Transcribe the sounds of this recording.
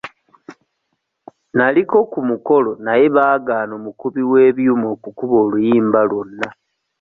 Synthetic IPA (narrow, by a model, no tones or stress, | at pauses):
naliko̞kumuko̞lo̞naje̞βaːɡaːno̞ːmukuβiwe̞ːβjumo̞ːkukuβo̞ːlujiːmbalwonːa